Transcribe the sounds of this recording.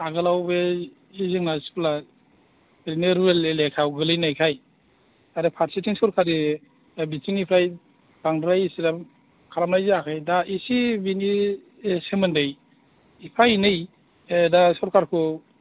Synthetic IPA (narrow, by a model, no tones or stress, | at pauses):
aɡɯlawbe | izɯŋnaspla | ɾineɾuelelekʰawɡɯlɯjnajkʰaj | aɾɯpʰaɾsitʰiŋsɔɾkʰaɾi | bitiŋipʰɾaj | daŋdɾajisiɾa | kʰaɾamlajziakʰajdaisibini | semɯndɯj | ipʰajnɯj | dasɔɾkaɾkʰu